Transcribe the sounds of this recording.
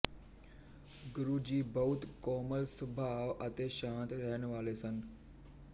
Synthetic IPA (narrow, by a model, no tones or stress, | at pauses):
ɡʊɾuːd͡ʑiːbɐɦʊt̪kɔːməlsʊbʱaːʋɐt̪eːʃãːnt̪ɾəɦənʋaːlesən